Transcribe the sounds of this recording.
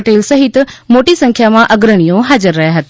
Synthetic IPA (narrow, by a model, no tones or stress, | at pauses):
ʈeːlsɐɦɪt̪moʈisɐ̃ŋkʰjamãʔɐɡɾəɽ̃ijõɦaːd͡ʑəɾːɐɦjaɦɐt̪ː